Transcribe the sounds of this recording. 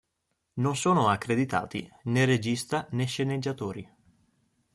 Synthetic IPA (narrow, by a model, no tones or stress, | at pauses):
nonsoːnoakːɾed̪it̪a̰ːt̪ḭnered͡ʒist̪aneʃːened͡ʒːat̪oːɾi